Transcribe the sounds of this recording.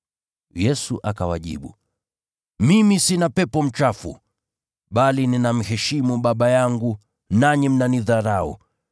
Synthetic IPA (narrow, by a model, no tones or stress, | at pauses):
jɛsuʔakawaʄḭɓu | mimisinapɛpɔm̩t͡ʃafṵ | ɓalininam̩hɛʃimuɓaɓajaŋɡu | naɲim̩naniðaɾaɔ̰